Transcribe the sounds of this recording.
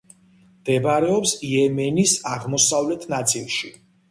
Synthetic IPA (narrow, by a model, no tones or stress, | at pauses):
md̪̥ɛbaɾɛɔpsiɛmɛnisaʁmɔsavlɛt̪ʰnat̪sʼilˠʃi